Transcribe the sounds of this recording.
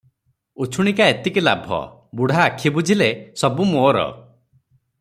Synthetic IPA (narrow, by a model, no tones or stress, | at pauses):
ut͡ʃʰuɽ̃ikaet̪ikila̰bʱɔ̰ | buɽ̤ʱaːkʰibud͡ʒʱilesɔbumoːɾɔ̰